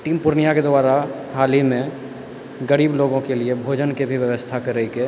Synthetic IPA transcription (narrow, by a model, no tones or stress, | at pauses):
ʈiːmpʊɾnijaked̪waːɾa | ɦaːlimẽ | ɡəɾiːbloːɡõkeliebʱod͡ʒənkebʱiʋjəʋəst̪ʰakəɾəike